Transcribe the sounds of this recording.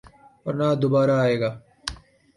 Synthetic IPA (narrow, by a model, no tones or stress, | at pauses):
pɐɾnaːd̪obaːɾaːeːɡaː